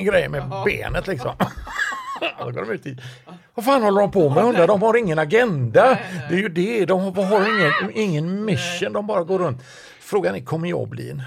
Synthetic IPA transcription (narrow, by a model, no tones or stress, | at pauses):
ənɡɾɛjːmɛbḛːnət̪lɪksɔ̰m | sɔɡo̰ːɾɔmʉ̟ːt̪ɪ | vafaːnhɔlːəɾɔmpʰɔmɛjhɵnd̪ɾad̪ɔmhaɾɪŋːənaɡɛnd̪ad̪ɛæɾjɵd̪ɛd̪ɔmhvɦaɾɪŋːənɪŋːənmɪsːənd̪ɔmbɑːɾaɡoːɾɵnt̪ | fɾoːɡanɪkʰɔmːəɾjɑ̰ːɡblḭːn